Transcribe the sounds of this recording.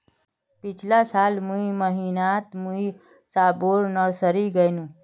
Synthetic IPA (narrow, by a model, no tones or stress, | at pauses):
pit͡ʃʰlasalmũiməɦinat̪mui | saboɾnʌɾsəɾiɡəjnũ